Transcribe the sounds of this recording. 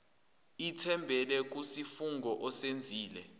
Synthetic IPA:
itʰɛmbʱɛlɛk̬usifuŋɡɔʔɔsend͡zʱiːlɛ

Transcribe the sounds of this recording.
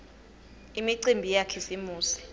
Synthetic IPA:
imiǀimbʱijakʰisimuːsi̥

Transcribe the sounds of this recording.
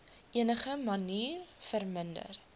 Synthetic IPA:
ʔiənəχəmɐniːrfərməndə̰r

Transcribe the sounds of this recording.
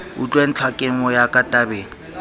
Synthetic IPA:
ʊ̰t͡ɬʼwen̩t͡ɬʰwakʼɪmɔjakʼatʼabeːŋ̩

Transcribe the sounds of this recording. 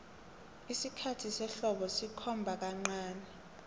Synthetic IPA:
isikʰatʰisɛɬɔɓɔsikʰɔmbʱak̬aŋ͡ǀaːnɛ

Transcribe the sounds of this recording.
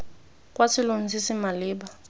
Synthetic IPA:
kʼwasilunt͡sisimaliːɓa

